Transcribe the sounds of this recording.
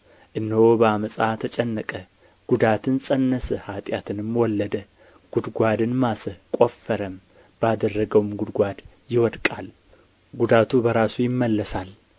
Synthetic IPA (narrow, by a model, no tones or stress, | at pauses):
ʔɨnːəwobəaməsʼat̪ʰət͡ʃʼɛnːəkʼə | ɡ̥ud̪at̪ʰɨnsʼənːəsəhat̪ʼjat̪ʰɨnɨmwɔlːəd̪ə | ɡ̥ud̪ɡʷad̪ɨnmasəkʼo̞fːəɾəm | b̥əad̪ərːəɡəwumɡʊd̪ɡʷad̪ | jɪwɔd̪kʼal | ɡud̪at̪ʰubəɾasujɪmːəlːəsal